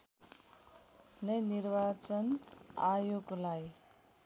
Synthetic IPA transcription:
nʌjnirbat͡sʌnajoɡlaj

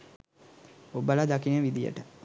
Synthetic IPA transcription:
obəlad̪akinəʋid̪ijə̰ʈə

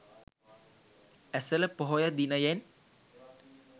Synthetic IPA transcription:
æsələpoɦojad̪inajɛn

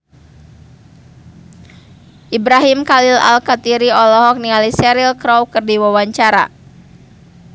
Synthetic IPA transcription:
ʔibɾaɦimkalila̰lkat̪iɾiɔlɔɦɔk̚niŋalisɛɾilkɾɔwkɨrdiwawaɲt͡ʃaɾa̰

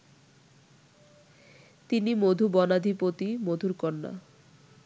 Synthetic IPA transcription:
t̪inimod̪ʱubɔnad̪ʱipot̪imod̪ʱuɾkɔnːa̰

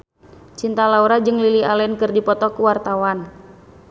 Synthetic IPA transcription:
t͡ʃint̪alauɾad͡ʒɨŋlilialɛnkərdipɔt̪ɔkuwart̪awan

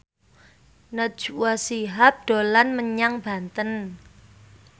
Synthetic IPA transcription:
nə̥ʒ̥uwasiɦap̚d̥o̤lanməɲaŋb̥a̤nt̪ən

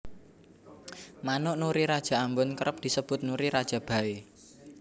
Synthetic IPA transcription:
manʊʔnuɾiɾad̥ʒ̥a̤ambʊnkəɾəp̚d̪̥i̤səb̥ʊ̤t̪̚nuɾiɾad̥ʒ̥ä̤b̥ä̤e

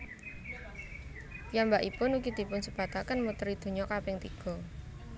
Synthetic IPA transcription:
jambaʔipʊnukit̪ipʊnsə̥b̥at̪akənmut̪ɾid̪̥o̤ɲɔkapɪŋt̪iɡ̥ɔ̤

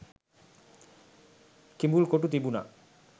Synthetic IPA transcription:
kimbulkoʈut̪ibuna̰

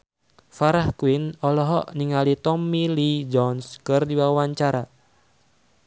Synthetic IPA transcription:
faɾahkuinɔlɔɦɔʔniŋalit̪ɔmːilid͡ʒɔnskɨrdiwawaɲt͡ʃaɾa

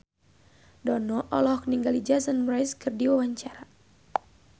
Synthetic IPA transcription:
dɔnɔʔɔlɔkniŋɡalid͡ʒasanmɾajskɨrdiwawaɲt͡ʃaɾa

